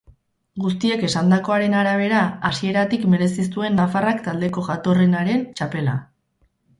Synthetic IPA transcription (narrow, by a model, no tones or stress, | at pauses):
ɡust̪ie̞ke̞sand̪ako̞aɾe̞naɾaβ̞e̞ɾaasie̞ɾat̪ikme̞ɾe̞sis̬t̪ue̞nːafarakt̪ald̪e̞ko̞ɣat̪o̞renaɾe̞nt͡ʃape̞la̰